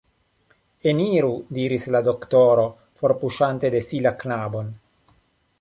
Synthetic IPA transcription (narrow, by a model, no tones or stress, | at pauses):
eniɾud̪iɾislad̪o̞kt̪oɾo̞ | fo̞ɾpuʃant̪e̞d̪esilaknabo̞n